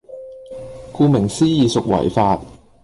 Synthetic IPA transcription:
kuː˧mɪ˨˩ŋsiː˥jiː˨˧sʊ˨k̚wɐ̰˨˩jfaː˧t̚

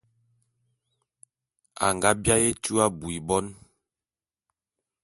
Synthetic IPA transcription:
a̰˨ŋɡa˦bja˦je˦tu˦a˦bu˨i˨bɔ˦n

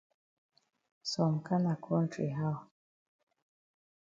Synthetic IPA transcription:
sɔ˨mka˦na˨kʰɔ˦n˦tʰɾḭ˨ɦa˦˨

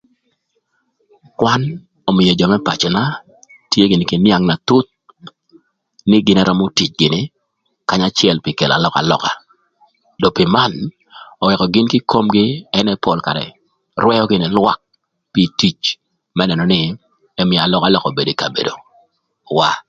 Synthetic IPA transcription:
kwa˦n | ɔ˨mɪ˨jɔ˨d͡ʒɔ˨mɛ˦pa̰˨t͡ʃɛ˨na˦ | tje˦ɡɪ˨nɪ˨ki˨nja˦ŋna˨t̪u˦t̪̚ | nɪ˦ɡɪ˦nɛ˦ɾɔ˦mo˦ti˨t͡ʃɡɪ˨nɪ˦ | ka˦ɲa˦t͡ʃɪɛ˨lpi˨ke˨la̰˨lɔ˨ka̰˨lɔ̰˨ka˨ | dɔ˨pɪ˨ma˦n | ɔ˨wɛ˨kɔ˨ɡɪ˦nkɪ˦kʰo˦mɡɪ˦ɛ˦nɛ˦pɔ˨lka̰˨ɾɛ̰˨ | rwɛ˦jɔ˦ɡɪ˨nɛ˦lwa̰˦k̚ | pi˦˨ti˨t͡ʃ | mɛ˦nɛ˨nɔ˨nɪ˦ | ɛ˦mɪ˨a˨lɔ˦ka˦lɔ˨kɔ˨be˨do˨ka˨bḛ˨do̰˨ | wa˦

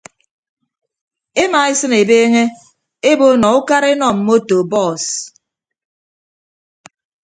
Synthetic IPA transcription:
e˦ma˨e˦sɨ˦ne˨beː˦ŋe˦ | e˦bo˦nɔ˨u˦ka˦ɾe˦nɔ˨m̩˨˦mo˦to˨bɔ˦˨s

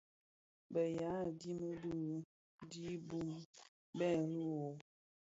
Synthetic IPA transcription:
bə˨ja˨˦˨di˦mə˦bu˦ | di˦bu˦m | bɛ˦˨lu˦wo˨

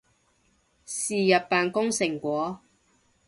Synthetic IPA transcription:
siː˨jɐ˨t̚paː˨nkʊ˥ŋsɪ˨˩ŋkʷɔː˨˥

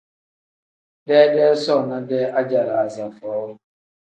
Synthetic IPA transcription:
dɛː˦dɛː˦sɔ˦˨na˦dɛː˦ʔa˦d͡ʒa˨ɾa˨a˨za˨fɔː˨˦wʊ˦

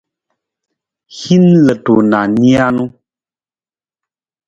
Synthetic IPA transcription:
hi˦nlə˨to˨na˨ni˦a˦nu˦

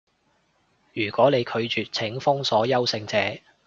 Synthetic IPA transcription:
jyː˨˩kʷɔː˨˥ne˨˧jkʰɵ˨˧ɥt͡ʃyː˨t̚t͡sʰɪ˨˥ŋfʊ˥ŋsɔː˨˥jɐ˥wsɪ˧ŋt͡sɛː˨˥

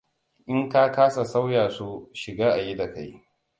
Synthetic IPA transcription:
ʔɪ˦ŋka˦kaː˦sa˨sa˦wjaː˨su˦ʃɪ˨ɡaː˦ʔa˨ji˦da˨ka˦j

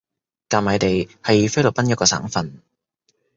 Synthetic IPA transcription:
kaː˨˩maː˨˧jt̪e˨jhɐ˨jfe˥jlo˨˩pɐ˥njɐ˥kːɔː˧sa̰ː˨˥ŋfɐ˨n

